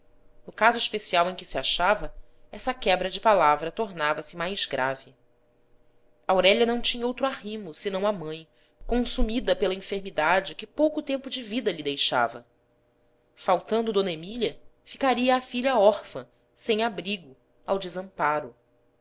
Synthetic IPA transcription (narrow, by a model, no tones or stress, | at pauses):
nʊkazʊiʃpesiawẽj̃kɪsiaʃavɐ | ɛsɐkɛbɾɐd͡ʒɪpalavɾɐt̪oɾnavɐsɪmajzɡɾa̰vɪ | awɾɛʎɐnɐ̃w̃t͡ʃĩɲɐowt̪ɾʊahĩmʊsɪnɐ̃w̃ɐmɐ̃j̃ | kõsumid̪ɐpelɐĩfeɾmid̪ad͡ʒɪkɪpowkʊt̪ẽmpʊd͡ʒɪvid̪ɐʎid̪ejʃa̰vɐ | fawt̪ɐ̃nd̪ʊd̪õnɐemiʎɐ | fi̥kaɾiɐːfiʎɐɔχfɐ̰̃ | sẽj̃abɾiɡʊ | awd͡ʒɪzɐ̃mpaɾʊ